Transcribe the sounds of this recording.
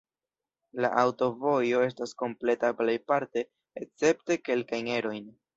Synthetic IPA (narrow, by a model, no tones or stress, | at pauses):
la̰ʔawto̞vo̞jo̞e̞s̬tasko̞mple̞taplejpaɾte̞ː | k̚t͡se̞p̚te̞ke̞lkajne̞ɾo̞jn